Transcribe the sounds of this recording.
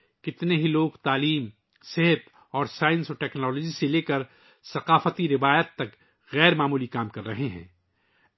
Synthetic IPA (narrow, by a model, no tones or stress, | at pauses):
kɪt̪neɦiloːɡt̪aːliːm | seɦət̪ | ɔːɾsaːɪ̃nsoʈɛːknɔːlɔːd͡ʒiseleːkəɾ | sɐqaːfət̪iɾɪʋaːjət̪ːɐk | ɣɛːɾmaːmuːlikaːmkɐɾːɐɦeɦɛ̰̃ː